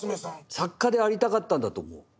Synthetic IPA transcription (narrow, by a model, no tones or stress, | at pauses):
sakːad̪e̞aɾʲit̪akat̪ːãnd̪at̪o̰ːmo̰ː